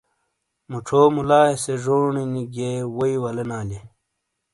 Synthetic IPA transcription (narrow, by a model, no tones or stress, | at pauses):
muʈ͡ʂʰoːmulaːeseʐoːɳiniɡewoiwɐlenaːle